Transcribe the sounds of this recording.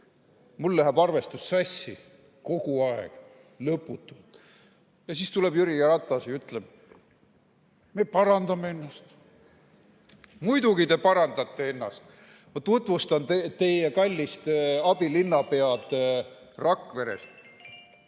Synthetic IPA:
mulːæɦæbɑrve̞st̪usːɑsʲːi | ko̞ɡ̥uɑḛɡ̥ | lɤpːˑut̪ːˑult̪ | jɑsiːst̪ule̞bjyɾiɑɾɑt̪ˑːɑsiyt̪leb̥̚ | me̞pɑɾɑnd̪̥ɑmee̞nːɑst̪ | mujd̪uɡit̪e̞pɑɾɑnd̪ɑt̪ːe̞enːɑst̪ | ɑt̪ːut̪vust̪ɑnt̪et̪e̞jjekɑlʲːist̪ɑbilinːɑpe̞ɑd̪e | rɑkːˑve̞ɾe̞̰st̪

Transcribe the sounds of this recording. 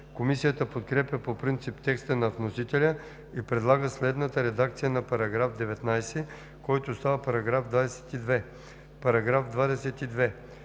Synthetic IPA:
komisijət̪əpot̪kɾɛpʲjəpopɾint̪sipt̪ɛkst̪ənɐvnosit̪ɛlʲə | ipɾɛd̪lˠaɡəslɛd̪nət̪əɾɛd̪akt̪sijənɐpɐɾɐɡɾafd̪ɛvɛt̪najsɛ | kɔjt̪ost̪avəpɐɾɐɡɾavd̪vad̪ɛsɛ̥t̪id̪vɛ | pɐɾɐɡɾafd̪vad̪ɛsɛt̪id̪vɛ

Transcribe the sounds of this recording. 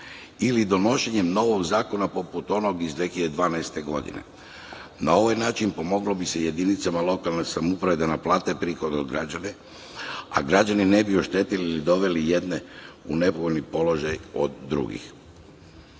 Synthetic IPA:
ilid̪o̞no̞ʃe̞ɲe̞mno̞ʋo̞ɡzaːko̞napo̞put̪o̞no̞ɡizd̪ʋexlid̪ed̪ʋaːnaest̪e̞ɡo̞d̪ḭne̞̰ | nao̞ʋajnaːt͡ʃinpo̞mo̞ɡlobise̞je̞d̪init̪samalˠo̞kalˠnesamupɾaʋed̪anaplˠaːt̪epɾiːxo̞d̪od̪ɡɾad͡ʑane | a̰ɡɾad͡ʒanine̞bio̞ʃt̪e̞t̪iliːlid̪o̞ʋe̞lije̞d̪neune̞poɣoʎʲnipo̞lo̞ʒajo̞̰d̪ːɾṵɡḭx

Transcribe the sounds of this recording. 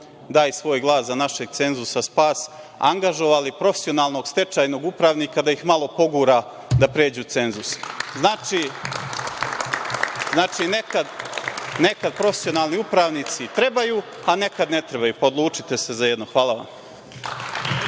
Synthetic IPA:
d̪aːjsʋo̞ːjɡlˠaːszanaʃeɡ̚t̪se̞nzusaspaːs | a̰ŋɡaʒo̞ʋalipɾo̞fesio̞naːlˠno̞ːɡst̪e̞t͡ʃajno̞ːɡupɾaʋniːkad̪ajixmalˠo̞po̞ɡuːɾa | d̪apɾeːd͡ʑuːt̪se̞nzusznaːt͡ʃiː | znaːt͡ʃiːnekad̪nekad̪̚pɾo̞fe̥sijo̞naːlˠniupɾaːʋniːt̪sit̪ɾe̞baju | ane̞kad̪ne̞t̪ɾe̞bajuːpaod̪lˠuːt͡ʂit̪e̞se̞zajed̪noxʋaːlˠaʋa̰m

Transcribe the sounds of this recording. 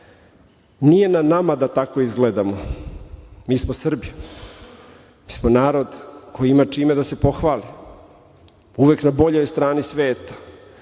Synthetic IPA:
nije̞nanamad̪at̪ako̞izɡled̪amo | miːsmosr̩b | miːsmonaːɾo̞d̪kʰo̞jiimat͡ʂiːme̞d̪ase̞po̞xʋaːli | uʋeknabo̞ʎo̞jst̪ɾaːnisʋeːt̪ḁ

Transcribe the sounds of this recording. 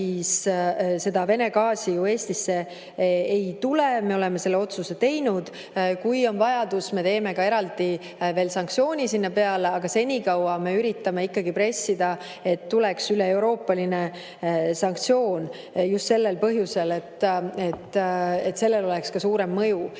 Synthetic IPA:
isse̞d̪̥ɑve̞ne̞ɡɑːsijue̞ːst̪isːe̞ | ejt̪uleme̞o̞le̞me̞se̞lːe̞o̞t̪suse̞t̪e̞jnud̪̥ | kujo̞nvɑjɑd̪̥usme̞t̪e̞ːme̞kɑe̞ɾɑld̪i | ve̞ːlsɑŋkt̪sio̞ːnʲisinːɑpe̞ɑleɑɡ̥ɑse̞nʲikɑwɑme̞yɾit̪ːˑɑme̞ikːɑɡipɾe̞sːid̪̥ɑ | e̞t̪ːule̞ksyle̞ewɾo̞ːpːˑɑline | sɑŋk̚t̪sio̞ːn | just̪se̞lːelpɤɦjuse̞le̞t̪ːe̞t̪ːe̞t̪se̞lːe̞lo̞lekskɑsuːɾe̞mːɤju

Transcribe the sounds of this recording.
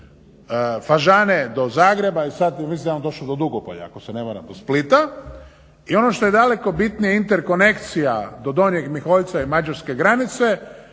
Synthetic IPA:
faʒaned̪o̞zaːɡɾe̞baisad̪misinaond̪o̞ʃlod̪o̞d̪uɡopo̰ʎa̰a̰kosenemaɾa̰md̪osplit̪a | io̞noʃt̪o̞je̞d̪ale̞ko̞bit̪nijeint̪eɾko̞ne̞kt̪sijad̪o̞d̪o̞njeɡmixo̞ʎt̪saimad͡ʒaɾske̞ɡɾanit̪se̞

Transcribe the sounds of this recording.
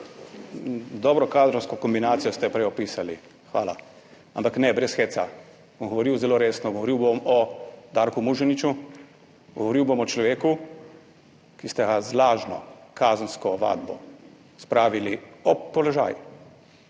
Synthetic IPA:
d̪ɔːbɾɔkazɾɔwskɔkɔmbinaːt̪sijɔst̪ɛpɾɛjɔpiːsali | xʋa̰ːla̰ | a̰mpaknɛbɾɛsxeːt̪sa | bɔmɡɔʋɔɾiːwzɛloːɾeːsnɔɡɔʋɔɾiwbomɔd̪aːɾkumuʒɛnit͡ʃu | ɡɔ̰ʋɔɾiwbomɔt͡ʃlɔʋeːku | kist̪ɛɡazlaːʒnɔ̰kaːznskɔʋa̰ːd̪bɔ | spɾaːʋiliɔpːɔlɔʒa̰ːj

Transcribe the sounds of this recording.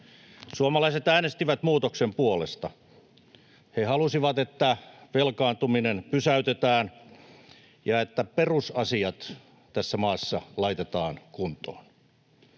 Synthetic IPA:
suomɑlɑiset̪æːnest̪iʋæt̪muːt̪oksempuolest̪ɑ | hehɑlusiʋɑt̪et̪ːæʋelkɑːnt̪uminenpysæyt̪et̪æːn | jɑet̪ːæperusɑsiɑt̪ | t̪æsːæmɑːsːɑlɑit̪et̪ɑːnkunt̪o̰ːn

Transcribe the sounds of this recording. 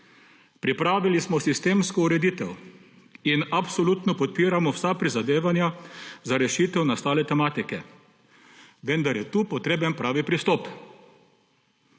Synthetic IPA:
pɾipɾaːʋilismɔsist̪eːmskɔuɾɛd̪it̪ɛw | inapsɔlut̪nɔpɔt̪̚piːɾamɔwsapɾizad̪eːʋanjazaɾɛʃit̪ɛwnast̪aːlɛt̪ɛmaːt̪ikɛ | ʋɛnd̪aɾjɛt̪uːpɔt̪ɾeːbɛnpɾaːʋipɾist̪ɔp

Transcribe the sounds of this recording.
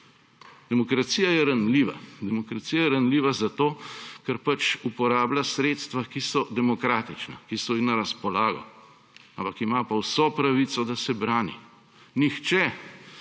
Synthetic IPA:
d̪ɛmɔkɾat̪sijajɛɾanliʋa̰d̪ɛmɔkɾat̪siːjajɛɾanliːʋazat̪oːkɛɾpat͡ʃupɔɾaːblasɾeːt̪st̪ʋakisɔd̪ɛmɔkɾaːt̪it͡ʃna̰kisɔjixnaɾaspɔlaːɡɔ̰ | ampakimapawsɔpɾaʋit̪sɔd̪asɛbɾaːnḭ | nixt͡ʃɛ

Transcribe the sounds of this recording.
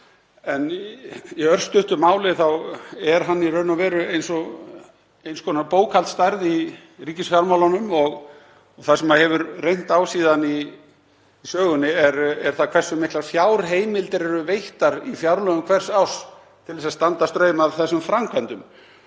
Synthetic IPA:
ɛniœr̥st̪ʏht̪ʏmaːwlɪθawɛɾɦanːirœɥnɔvɛːɾʏejnsɔɣ | ejnskʰɔːnapoːwkʰalt̪st̪ajɾði | riːcɪsfjawɾmawlanʏmɔɣ | θaðsɛmaðhɛvʏɾrejn̥t̪awsiːðaniː | sœːɣʏnːɪɛɾɛɾ̥θakʰvɛr̥sʏmːɪhk̪laɾfjawɾɦeːjmɪlt̪ɪɾɛɾʏvejht̪aɾifjawɾlœɣʏmkʰvɛr̥saws | t̪ʰɪlvɛsaðst̪ant̪ast̪ɾœːɥmaðθɛsːʏmfɾamkʰvɛnt̪ʏm

